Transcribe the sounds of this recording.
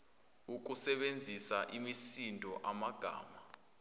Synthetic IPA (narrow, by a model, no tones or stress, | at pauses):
uk̬ʼusɛɓend͡zʱisaʔimisindʱʼɔʔamaɡ̥ʱa̰ːma